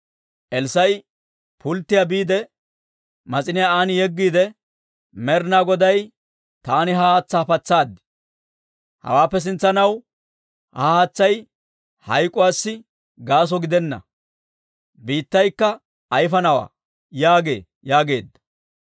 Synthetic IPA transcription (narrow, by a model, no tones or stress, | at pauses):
ʔɛlsɐj | pʰʊlt̪ːɪjabiːd̪ɛ | mɐt͡sʼɪnɪjaaːnjɛɡːiːd̪ɛ | mɛɾnaːɡɔd̪ɐj | t̪aːnɪɦahaːt͡sːaːfɐt͡sːaːd̪ːɪ̥ | hɐ̰waːpːɛs̬ɪnt͡sːɐnɐw | hahaːt͡sːɐj | hɐjkʼʊwaːsːɪ | ɡaːs̬ɔɡɪd̪ɛnːɐ̰ | biːt̪ːɐjkːɐː | jfɐnɐwa̰ː | jaːɡe̞̰ː | jaːɡe̞ːd̪ːɐ̥